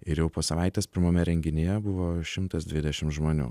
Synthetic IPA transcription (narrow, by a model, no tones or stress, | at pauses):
ɪɾjɛʊpoːsɐʋɑˑɪt̪ʲɛːspʲɪɾmɐːmʲɛɾʲɛŋʲɡʲɪnʲejɛbʊʋoːʃʲɪmt̪ɐsd̪ʲʋʲɪd̪ʲɛʃʲɪmtʒmoːnʲṵː